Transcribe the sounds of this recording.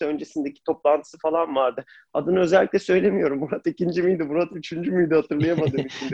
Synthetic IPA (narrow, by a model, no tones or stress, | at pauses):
ø̞nd͡ʒe̞sind̪e̞cʰi̥t̪ʰo̞plˠant̪ʰɯ̥sɯfalˠanvaɾd̪ɯ | ad̪ɯnɯø̞zɛlʲːiclʲɛsø̞jlʲe̞mijo̞ɾumbuɾat̪icind͡ʒimijd̪ɛbuɾat̪yt͡ʃʰynd͡ʒymijd̪ɛhat̪ʰɯɾlˠajamad̪ɯɯːmyt͡ʃʰynd̪